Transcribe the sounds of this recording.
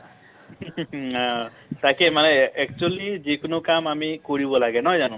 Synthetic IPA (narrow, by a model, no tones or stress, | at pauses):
ã | t̪akemaneɛk̚t͡ʃualid͡ʒekunukamamikoɽibɔlaɡenɔjd͡ʒanũ